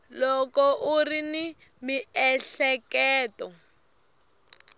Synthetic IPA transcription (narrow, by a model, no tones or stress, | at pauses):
lɔkɔʔurini | miɛɬɛkɛːtɔ